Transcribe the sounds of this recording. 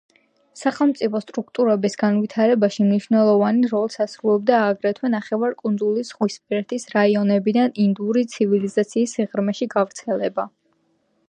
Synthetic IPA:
saχɛlˠmt̪sʼipʰɔst̪ʼɾukʰt̪ʼuɾɛbisɡanvit̪ʰaɾɛbaʃimniʃvnɛlˠɔvaniɾɔlisasɾulɛb̚d̪aːɡɾɛt̪ʰwɛnaχɛvaɾkʼund̪zulisʁwispʼiɾɛt̪ʰisɾaiɔnɛbid̪anind̪uɾit̪sʰivilizat̪sʰiːsːiʁɾmɛʃiɡavɾt̪sʰɛlɛba

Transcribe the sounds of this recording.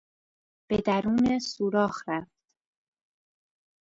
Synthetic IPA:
b̥ed̪æɾuːnesuːɾɒːhɾæft̪

